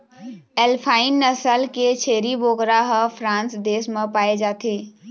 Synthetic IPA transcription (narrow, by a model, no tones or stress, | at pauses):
elpʰaːɪnːəsəlket͡ʃʰeːɾibokɾaɦəpʰɾãːnsd̪eːsmẽpaːed͡ʒaːt̪ʰeː